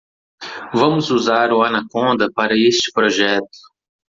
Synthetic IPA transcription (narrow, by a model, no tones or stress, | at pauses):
vɐ̃mʊzuzaɾʊɐnɐkõnd̪ɐpaɾɐest͡ʃɪ̥pɾoʒɛt̪ʊ̥